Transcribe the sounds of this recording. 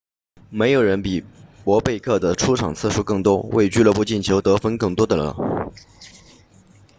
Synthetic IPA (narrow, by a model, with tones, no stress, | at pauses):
me˧˥ɪjo˨˩ʊɻə˧˥npi˨˩pwɔ˧˥pe˥˧ɪkʰɤ˥˩d̪ə˩ʈ͡ʂʰu˥ʈ͡ʂʰɑ˨˩ŋt͡sʰɹ̩˥˩ʂu˥kɤ˥˩ŋt̪wɔ˥wʔḛ˥˧ɪt͡ɕy˥˧lə˥˧pu˧˥t͡ɕi˥˩nt͡ɕʰjo˧˥ʊt̪ɤ˧˥fə˥nkɤ˥˩ŋt̪wɔ˥d̪ə˨lə̰˨˩˦